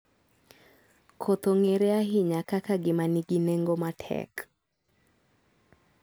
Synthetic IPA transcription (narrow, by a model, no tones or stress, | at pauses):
kʰot̪oŋeɾeaɦɪɲakakaɡɪmaniɡineŋɡomatʰɛ̰k